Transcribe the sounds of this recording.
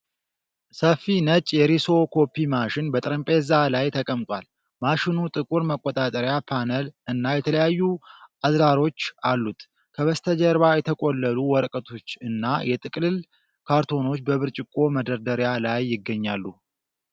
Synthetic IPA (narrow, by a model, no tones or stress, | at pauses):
səfinət͡ʃʼjɛɾiso̞kʰo̞pʰːimaʃɪnbət̪ʼɨɾəmpʼezalajt̪ʰəkʼəmt̪ʼwal | maʃɪnut̪ʼɨkʼuɾməkʼːot̪ʼat̪ʼəɾjapʰanəlɨnːajɛt̪ʰələjajːuʔazɾaɾo̞t͡ʃːalːut̪ | kʰəβəst̪ʰəd͡ʒəɾβajɛt̪ʰəkʼolːəluwɔɾkʼət̪ʰo̞t͡ʃːɨnːajɛt̪ʼɨkʼlɨl | kʰaɾt̪ʰo̞no̞t͡ʃːbəβɨɾt͡ʃʼɪkʼːo̞məd̪əɾd̪əɾjalajːɪɡːəɲːalːu